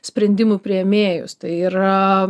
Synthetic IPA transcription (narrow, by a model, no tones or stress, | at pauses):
sʲpʲɾʲɛnʲd̪ʲɪmʊpʲɾʲɪɛmʲeːjʊ̰st̪ɐɪiːɾɐ